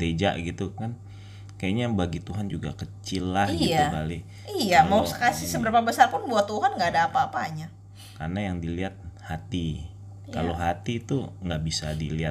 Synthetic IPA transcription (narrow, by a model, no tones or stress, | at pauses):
d̪ed͡ʒa̰ʔɡit̪ukan | kajaɲabaɡit̪uɦand͡ʒuɡa̰kət͡ʃɪlːahɡiakali | ijamawsəkasɪhsəbəɾapabəsarpʊnbuat̪ːuɦanŋɡaːdaːpaːpaɲa | karnajaŋdiliɦat̪̚hat̪i | kaloɦat̪it̪uŋɡaʔbisadilia